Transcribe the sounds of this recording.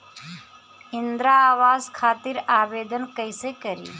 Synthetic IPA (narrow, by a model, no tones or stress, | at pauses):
ɪnd̪ɾaaːʋaːzkʰaːt̪iɾaːʋeːd̪ənkəɪseːkəɾḭː